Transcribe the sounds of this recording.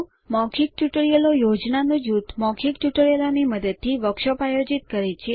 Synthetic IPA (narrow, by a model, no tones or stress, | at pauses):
mɔkʰik̚ʈuʈəɭijelojod͡ʒnanojut̪mɔkʰik̚t͡ʃuʈəɭjelaniməd̪əd̪̚t̪ʰːiʋəkʃopajod͡ʒit̪̚kəɾet͡ʃʰe